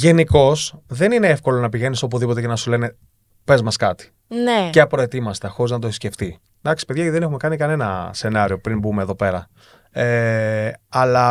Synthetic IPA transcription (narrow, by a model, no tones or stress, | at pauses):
ʝe̞niko̞sðe̞nine̞efko̞lo̞nɐpiʝe̞niso̞p̬uðipo̞t̪̬ecenɐsule̞ne̞ | pe̞zmɐskɐt̪i̥ | neceɐpɾet̪imɐst̪exo̞ɾiznɐt̪oθisce̞ft̪i | d̪ɐksi̥pe̞ðʝɐðenexume̞kɐnikɐne̞nɐ̰se̞nɐɾio̞pɾimbume̞ːðo̞pe̞ɾɐ | e | ɐlɐ